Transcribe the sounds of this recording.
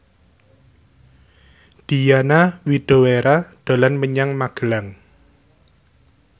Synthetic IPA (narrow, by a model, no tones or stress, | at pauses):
d̪̥i̤janawid̪̥o̤weɾad̪̥o̤lanməɲaŋmaɡ̥əlaŋ